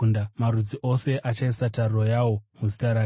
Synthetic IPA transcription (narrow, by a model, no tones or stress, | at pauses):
ndamaɾud͡ziʔo̞se̞ʔat͡ʃaisatarro̞jawo̞muzi̥taɾa